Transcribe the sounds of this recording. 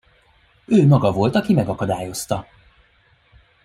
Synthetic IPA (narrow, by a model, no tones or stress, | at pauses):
øːmɒɡɒvo̞lt̪ɒkimɛɡɒkɒd̪aːjo̞st̪ɒ